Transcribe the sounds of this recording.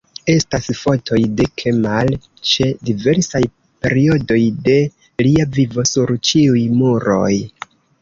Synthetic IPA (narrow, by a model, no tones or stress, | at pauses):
e̞stasfo̞tʰo̞jde̞kʰemal | t͡ʃe̞dive̞ɾsaj | pe̞̰ɾio̞do̞jde̞ | liavivo̞suɾt͡ʃiujmuɾo̞̰j